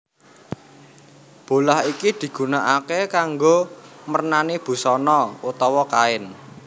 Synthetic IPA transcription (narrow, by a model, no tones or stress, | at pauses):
b̥o̤lahikid̪̥i̤ɡ̥ṳnaʔakekaŋɡomərnanib̥ṳsɔnɔut̪ɔwɔkaɪn